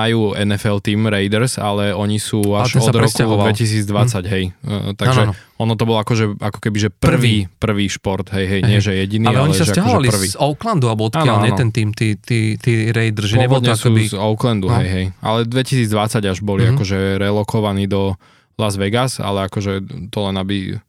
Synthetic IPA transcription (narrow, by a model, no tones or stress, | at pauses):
majuːɛnɛfɛlt̪iːmɾɛjd̪ɛɾsa̰lɛɔɲisuːaʃɛnɔsd̪ɾɔskud̪ʋɛcis̬iːd͡zd̪ʋat͡saɟɦɛjt̪aʒɛ | ɔnɔt̪̬ɔbɔlˠɔakɔʒɛakɔ̥kɛbiʒɛpr̩ʋiːpr̩ʋiːʃpɔɾt̪ɦɛjɦɛjɲɪɛʒɛjɛɟinialaɛɔɲiɛɛsʒɛaakɦɔɛalipr̩ʋiɔʊkland̪ualbɔɔt̪aːkɪalɲɛɔt̪ɛnt̪iːmt̪it̪it̪iːɾɛjd̪ɛɾzʒɛɛbɔd̪ɲɛasːizɔʊklɛnd̪uɦɛjɦɛjʔa̰lɛd̪ʋɛcisiːd͡zd̪ʋat͡saɟaʒbɔliakɔʒɛɾɛlɔkɔʋaniːd̪ɔ | lazʋɛɡasa̰lɛakɔʒɛt̪ɔlɛnabi